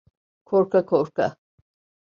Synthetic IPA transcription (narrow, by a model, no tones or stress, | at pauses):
kʰɔɾkʰakʰɔɾkʰa̰